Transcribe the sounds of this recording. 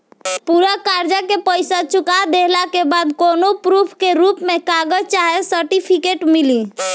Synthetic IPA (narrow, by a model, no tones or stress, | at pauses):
puɾakaɾd͡ʒakepəjsat͡ʃukad̪eɦlakebad̪konopɾupʰkeɾupmekaɡəd͡ʒt͡ʃaɦesəɾʈipʰikeʈmili